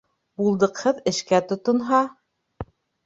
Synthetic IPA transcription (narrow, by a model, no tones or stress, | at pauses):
bulˠd̪ɤ̆qhɤðɘ̆ʃkæt̪ŏt̪ŏnɦɑ